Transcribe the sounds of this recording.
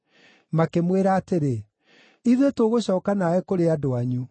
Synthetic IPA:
makemweɾaːteɾe | iðetoɣoɕɔːkanaɛkoɾeadoaɲu

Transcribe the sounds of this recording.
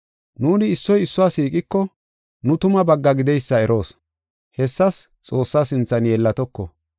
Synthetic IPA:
nuːnɪːsːɔjɪsːʊwaːsiːkʼɪkːɔ | nʊt̪ʊmɐbɐɡːɐɡɪd̪ɛjsːɐɛɾo̞ːs | hɛsːɐs | t͡sʼo̞ːsːaːsɪnt͡sːɐnjɛlːɐt̪ɔkːɔ̰

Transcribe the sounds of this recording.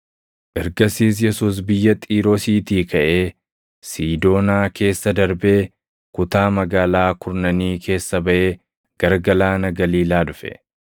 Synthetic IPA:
ʔɛɾɡɐsiːs̬jɛsuːs̬bɪjːɐt̪ʼiːɾoːsiːt̪iːkʰɐʔe̞ː | siːd̪o̞ːnaːke̞ːsːɐd̪ɐɾbe̞ː | kʊt̪aːmɐɡaːlaːkʰʊɾnɐniːkʰe̞ːsːɐbɐʔe̞ː | ɡ̥ɐɾɡɐlaːnɐɡɐliːlaːd̪ʊfɛ̰

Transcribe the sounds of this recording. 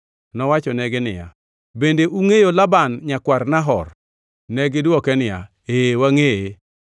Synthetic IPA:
nɔwat͡ʃɔnɛɡɪnɪja̰ | bendeʔuŋejolabanɲakwarnaɦɔ̰r | nɛɡɪdɔkɛnɪja̰ | eːwaŋee

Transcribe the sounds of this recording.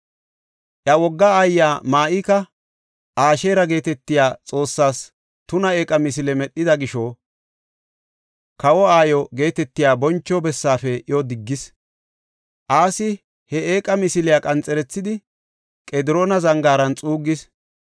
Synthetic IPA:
ʔjɐwɔɡːɐːjːaːmaːʔɪkɐ | ʔaːʃe̞ːɾɐɡe̞ːt̪ɛt̪ːɪjaːt͡sʼo̞ːsːaːs | t̪ʊnɐe̞ːkʼɐmɪs̬ɪlɛmɛɗːɪd̪ɐɡɪʃo | kɐwɔaːjɔɡe̞ːt̪ɛt̪ːɪjaːbɔnt͡ʃːɔbɛsːaːfɛʔɪjod̪ɪɡːɪs | ʔaːsɪ | hɛeːkʼɐmɪsɪlɪjaːkʼɐnt͡sʼɛɾɛt͡sːɪd̪ɪ | kʼɛd̪ɪɾo̞ːnɐzɐŋɡaːɾɐnt͡sʼuːɡːɪs

